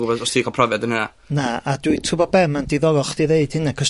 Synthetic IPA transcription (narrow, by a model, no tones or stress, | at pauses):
ɡʊbɔdɔstʰikʰɔpʰrɔvjadənəna̰ | naaduɨtʰʊbɔbɛmandiðɔlɔχd̥iðeɨd̥hɪnakʰəs